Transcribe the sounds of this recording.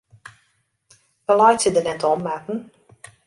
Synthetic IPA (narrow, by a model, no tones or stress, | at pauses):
ʋəlajtsədənɛtɔmakn̩